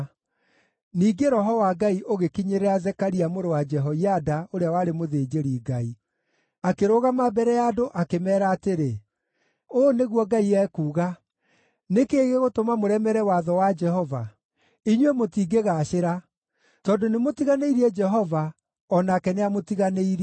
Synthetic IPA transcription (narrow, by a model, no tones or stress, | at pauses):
niːɡeɾɔɦɔwaɡaiʔoɣekiɲeɾeazɛkaɾiamoɾowad͡ʒɛɦɔiadaoɾeawaɾemoðeːd͡ʒeɾiɡai | akeɾoɣamabɛɾɛjadoʔakemɛːɾaːteɾe | oːneɣwɔɡaiɛkuːɣa | nekeːɣeɣotomamoɾɛmɛɾɛwaðɔwad͡ʒɛɦɔva | iɲwemotiːɡeɣaʃeɾa | tɔndonemotiɣaneiɾiɛd͡ʒɛɦɔva | ɔnakɛneamotiɣaneiɾi